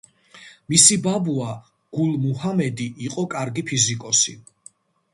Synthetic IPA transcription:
misibabua | ɡ̥ulmuhamɛd̪iʔːqʼɔkʼaɾɡipʰizikʼɔsi

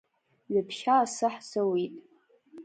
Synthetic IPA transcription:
ɥapʰʃaːsɨħzawitʼ

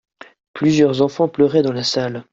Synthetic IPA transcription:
plyzjœʁzɑ̃fɑ̃plœʁɛd̪ɑ̃lasal

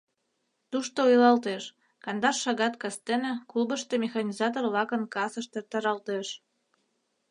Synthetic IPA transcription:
t̪uʃt̪oujlɑlt̪eʃ | kɑnd̪ɑrʃɑɣɑt̪kɑst̪enĕklubəʃt̪emʲexɑnʲizɑt̪orlɑkə̆nkɑsəʃt̪ert̪ɑɾɑlt̪eʃ

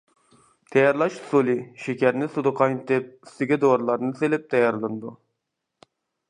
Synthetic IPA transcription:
t̪ʰɛjɑɾlˠɑʃsulˠɪʃekʲæɾnɪsud̪ɨqʰɑjt̪ɪp̚yst̪ɪɡʲɛd̪oɾlˠɑɾnɨselɪp̚t̪ʰɛjɑɾlˠɨnd̪u

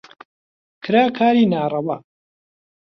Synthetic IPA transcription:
kʰɨɾaːkʰaːɾiːnaːrˤɐwɐ

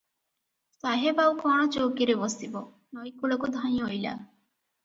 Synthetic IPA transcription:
saɦebawkɔɽ̃ɔt͡ʃowkiɾebɔsibɔ | nɔjkuɭɔkud̪ʱaj̃ojla̰

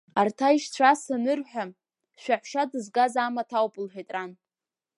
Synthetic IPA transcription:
artʰaiʃt͡ɕʷʰasanɨrħʷᶣa | ʃʷᶣaħʷʃadɨzɡazaːmatʰawpʼɨlħʷᶣejtʼran

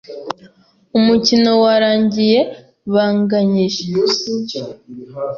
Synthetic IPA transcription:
umucino̞waɾaːɲɟije̞ | βaːŋɡaɲiʃ

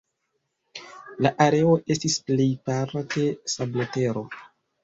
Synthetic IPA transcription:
laʔaɾe̞o̞ʔe̞stisplejpaɾakʰe̞sablote̞ɾo̞

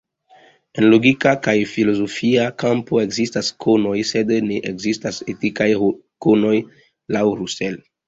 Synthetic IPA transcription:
e̞nlo̞ɡikakajfilo̞zo̞fiakampo̞e̞ɡzistaskʰono̞jse̞dneʔekzistasetikaj | kono̞j | lawɾusel

